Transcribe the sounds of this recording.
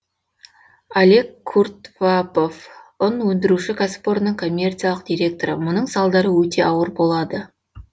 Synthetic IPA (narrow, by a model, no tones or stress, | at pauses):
ale̞kʰːurt̪vapo̞fʊnwɵnd̪ɪɾuʃɪkʰaspoɾənəɴkʰo̞mʲːe̞rt̪sijalˠəqd̪̥ʲijɾʲe̞k̚t̪o̞ɾəmʊnəɴsɑlˠd̪ɑɾəwɵt̪e̞ʔɑwəɾbo̞lˠɑd̪ə